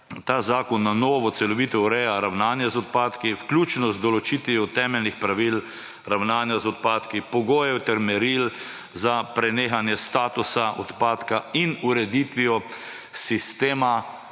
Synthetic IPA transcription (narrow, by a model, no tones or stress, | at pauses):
t̪aːzaːkɔnːanɔːʋɔt̪sɛlɔʋiːt̪ɛuɾɛjaɾawnaːnjazɔt̪̚paːt̪kiwklʲuːt͡ʃnɔzd̪ɔlɔt͡ʃiːt̪ʋiɔt̪ɛːmɛlnixpɾaʋil | ɾawnaːnjazɔt̪̚paːt̪kipɔɡoːjɛwt̪ɛɾmɛɾil | zapɾɛneːxanjɛst̪aːt̪usaʔɔt̪paːt̪kainuɾɛd̪it̪ʋiɔ | sist̪eːma